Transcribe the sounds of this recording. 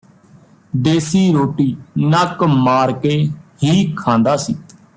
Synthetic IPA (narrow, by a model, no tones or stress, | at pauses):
d̪eːsiːɾoːʈiːnəkmaːɾkeːhiːkʰãːnd̪aːsiː